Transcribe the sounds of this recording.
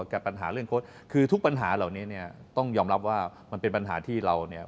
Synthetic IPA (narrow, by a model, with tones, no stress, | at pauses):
kɛː˨˩pa˧nɦa̰ː˩˦ɾɯ˥˩əŋkʰoː˦˥˩t̪̚ | kʰɯː˧t̪ʰu˥k̚pa˧nɦaː˩˦laː˨˩wniː˦˥ni˥˩ɐt̪ɔ˥˩ŋjɔː˧mɾa˦˥p̚waː˥˩ | ma˧npe˧npa˧nɦa̰ː˩˦t̪ʰiː˥˩ɾa˧wni˥˩ɐ